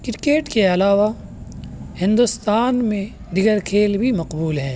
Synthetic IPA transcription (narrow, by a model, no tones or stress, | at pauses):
kɪɾkeːʈkeɐlaːʋa | hɪ̃nd̪ʊst̪aːnmẽ | ɖ̪ɪɡəɾkʰeːlbʱimɐqbuːlɦɛ̃ː